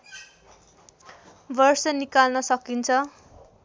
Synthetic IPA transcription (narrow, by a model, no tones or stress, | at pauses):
bʌrsʌnikalnʌsʌkint͡sʰʌ